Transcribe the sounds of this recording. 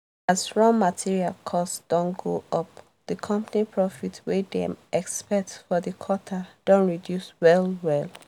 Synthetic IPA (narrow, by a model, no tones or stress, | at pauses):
asɹɔ̃ŋmatʰiɹialkʰɔstsd̥ɔ̃nɡoʌp̚ | ð̥əkʰʌ̃mpanipʰɹɔfitwedḛ̃mɛkspɛtfɔðəkʰɔtʰad̥õnɹidjuswɛlwɛl